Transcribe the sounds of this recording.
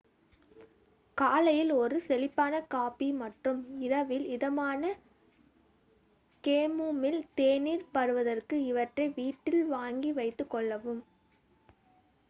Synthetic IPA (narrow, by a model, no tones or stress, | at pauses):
kaːlɐjɪlɔɾɯsɛlɪpːaːnɐkaːpimɐʈrɯmɪɾɐʋɪlɪðɐmaːnɐ | keːmuːmɪlt̪eːniːɾpɐɾɯʋɐðɐrkɯɪʋɐʈrɐɪʋiːʈːɪlʋaːŋɡiʋɐɪt̪ːɯkːɔɭːɐʋɯm